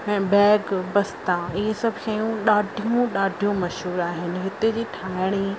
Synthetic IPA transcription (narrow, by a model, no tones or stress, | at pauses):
ɛ̃ːbɛːɡbɐst̪ãɪɦesɐbʱʃɐjũɗaːɖʱijũɗaːɖʱijũmɐʃɦuːɾaːɦɪnɪ̆ɦɪt̪ed͡ʑiːʈʰaːɪɽ̃i